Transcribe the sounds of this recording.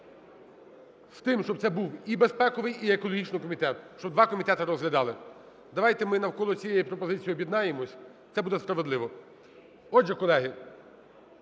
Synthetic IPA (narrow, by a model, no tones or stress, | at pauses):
st̪ɪmʃt͡ʃɔb̚t̪sɛbuwibespɛkɔʋɪjiekɔlˠɔɦʲit͡ʃnɪjkɔmʲit̪ɛt̪ʃt͡ʃɔbd̪ʋɑkɔmʲit̪ɛt̪ɪɾɔzɦlʲɐd̪ɑlˠɪ | d̪ɐʋɑjt̪ɛmɪnɐwkɔlˠɔt͡sʲijejipɾɔpɔzɪt͡sʲijiɔbʲjid̪nɑjemɔsʲ | t̪sɛbud̪ɛspɾɐʋed̪lˠɪʋɔ | ɔd͡ʒɛkɔlˠɛɦɪ